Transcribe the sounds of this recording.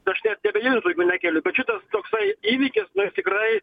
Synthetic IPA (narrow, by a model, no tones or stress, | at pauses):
ɐʃnʲɛt̪nʲɛbʲɛjɪːnʲt̪uʊɡʲʊnʲækʲɛlʲʊbʲɛtt͡ʃʲʊt̪ɐst̪oːksɐɪiːʋʲiːkʲɪsnʊst̪ʲɪkrɐɪ